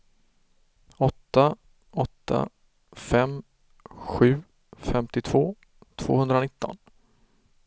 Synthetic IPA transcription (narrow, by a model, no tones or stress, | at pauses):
ɔt̪ːa | ɔt̪ʰːa̰ | fɛm | ɧʉ̟ː | fɛmt̪ɪt̪ʰv̥oː | t̪ʰv̥o̰ːhɵnd̪ɾanɪt̪ːɔ̰n